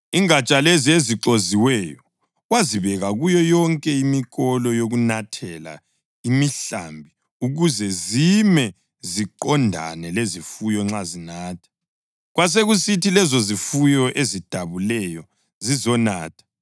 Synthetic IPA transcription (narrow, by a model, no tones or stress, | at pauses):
iŋat͡ʃʼalezieziǁoziwɛjɔ | ɣwaziβɛɣaɣujɔjɔŋkʼɛimiɣɔlɔjoɣunatʰɛla̰ | imiɬa̰mbʱi | uɣuzɛzimɛ | ziǃɔndʱa̰nɛlezifujɔŋ͡ǁazinaːtʰḁ | ɣwas̬eɣusitilɛzozifujɔʔezid̥ʱaβulɛjɔ | zizɔna̰ːtʰḁ